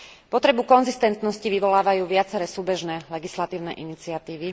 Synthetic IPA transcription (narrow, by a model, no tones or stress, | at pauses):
pɔt̪ɾɛbukɔnzist̪ɛnt̪nɔsciʋiʋɔlaːʋajuːʋɪat͡sɛɾɛsuːbɛʒnɛlɛɡislat̪iːʊnɛ̰ʔinit͡siat̪iːʋi